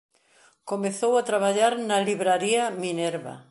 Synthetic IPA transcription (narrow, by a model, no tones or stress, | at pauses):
komeθowat̪ɾaβaʎaɾnaliβɾaɾiamineɾβa̰